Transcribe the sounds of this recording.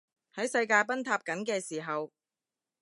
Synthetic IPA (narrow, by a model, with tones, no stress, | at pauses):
hɐ˨˥jsɐ˧jkaː˧jpɐ˥nt̪ʰaː˧p̚kɐ˨˥nkɛː˧siː˨˩ɦɐ˨w